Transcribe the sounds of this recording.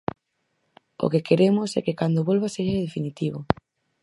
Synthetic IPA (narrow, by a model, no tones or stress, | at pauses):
o̰kekeɾemʊsɛ̰kekand̪oβolβaseʃað̞efinit̪iβʊ̰